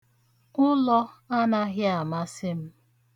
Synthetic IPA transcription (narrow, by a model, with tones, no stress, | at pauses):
ʊ˦lɔ˦a˦na˦ɣɪ˦a˨ma˦sɪ˦m̩˦